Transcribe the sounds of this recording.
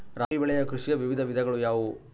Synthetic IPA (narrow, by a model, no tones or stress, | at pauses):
ɾaːʋibɛɭɛjɐkɾuʂijɐʋiʋid̪ʱɐʋid̪ʱɐɡɐɭujaːʋu